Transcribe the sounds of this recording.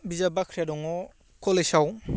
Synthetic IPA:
bizabakʰɾijadɔŋɔ | kʰɔlesaw

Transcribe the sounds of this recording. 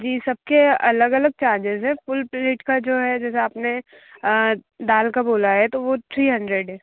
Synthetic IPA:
d͡ʒiːsɐb̚keɐləɡɐləɡ̚t͡ʃaːɾd͡ʒɪzɦɛ̃fʊlpleːʈkad͡ʒoːɦɛd͡ʒɛːseaːpne | d̪aːlkaboːlaɦɛt̪oʋot̪ʰɾiːɦɐ̃ɳɖɾeɖɦɛː

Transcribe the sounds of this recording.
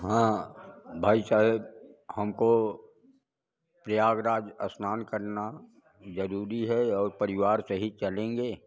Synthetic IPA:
ɦãː | bʱaːisaːɦɪbhəmko | pɾəjaːɡɾaːd͡ʒəsnaːnkəɾna | d͡ʒəɾuːɾiɦɛɔːɾpəɾɪwaːɾsəɦit͡ʃəlẽːŋɡeː

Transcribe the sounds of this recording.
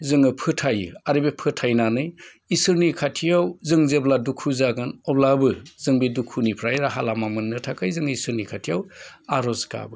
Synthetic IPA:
zɯŋɯpʰɯtʰajɯ̰aɾɯbepʰɯtʰajnanɯj | isɯɾnikʰatʰijawzɯŋzebladukʰuzaɡɯnɔblabɯzɯŋbedukʰunipʰɾajɾaɦalamamɯnːɯtʰakajzɯŋisɯɾnikʰatʰijawaɾɔzka̰bɯ

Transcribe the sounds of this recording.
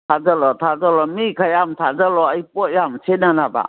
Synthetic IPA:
tʰazalɔtʰazalɔmikʰajamtʰazalɔajpɔt̚jamsʰenanaba̰

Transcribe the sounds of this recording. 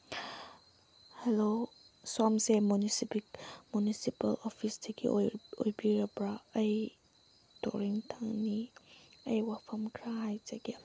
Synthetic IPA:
hɛlo | sɔmsemunisipikmunisipɐlɔpʰisdɐɡḭʔojbiɾɐbɾaɐj | to̰ɾiŋtʰaŋniɐjwapʰɐmkʰɾaɦajzaɡi

